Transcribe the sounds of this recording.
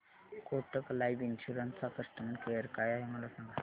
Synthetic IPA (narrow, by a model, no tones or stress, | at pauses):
koʈəklajʋinɕuɾənakəst̪əmənkejəɾkajaɦeməlasãŋɡa